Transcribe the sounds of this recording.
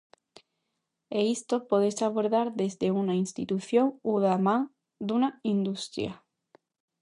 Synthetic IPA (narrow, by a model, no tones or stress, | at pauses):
eist̪o̞poðesaβ̞o̞ɾðaɾðe̞zðe̞unainst̪it̪uθjo̞ŋuðama | d̪unaind̪ust̪ɾja̰